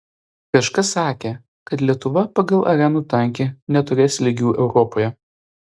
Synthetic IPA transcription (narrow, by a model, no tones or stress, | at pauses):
kɐʃkɐsːɑːkʲeː | kɐt̪lʲiɛt̪ʊʋɐpɐɡɐlˠʔɐɾʲɛnuːt̪ɐˑŋʲkʲeːnʲɛt̪ʊɾʲeːsʲlʲɪɡʲuːʔɛʊɾɔpoːjɛ